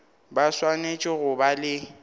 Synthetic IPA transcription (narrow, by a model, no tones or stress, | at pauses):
baswanet͡ʃʼɪɣʊbalɪ